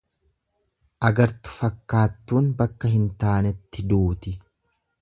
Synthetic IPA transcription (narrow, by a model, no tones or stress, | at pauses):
ʔɐɡɐɾt̪ʊ̥fɐkːaːt̪ːuːnbɐkːɐɦɪnt̪aːnɛt̪ːɪd̪uːt̪ɪ